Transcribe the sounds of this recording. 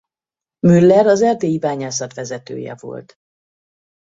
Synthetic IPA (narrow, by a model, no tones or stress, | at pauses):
mylːɛɾɒzɛrt̪eːjibaːɲaːsɒt̪ʋɛzɛt̪ø̰ːjɛ̰vo̞̰lt̪